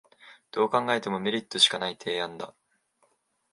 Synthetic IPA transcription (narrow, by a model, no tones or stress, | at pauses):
d̪̥o̞ːkãŋɡae̞t̪e̞mo̞me̞ɾʲit̪ːo̞ɕi̥kanait̪ʰe̞ːãnd̪a̰